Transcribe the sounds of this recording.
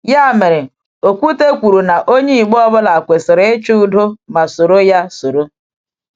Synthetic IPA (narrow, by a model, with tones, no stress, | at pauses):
ja˦˨me˨ɾe˨ | o˨kʷu˦te˦kʷu˨ɾu˨na˨ʔo˦ɲe˦i˨ɡ͡bɔ˦bʊ˦la˨kʷe˨sɪ˨ɾe˦t͡ʃu˦u˦do˦ma˨so˨ɾo˦ja˦so˨ɾo˦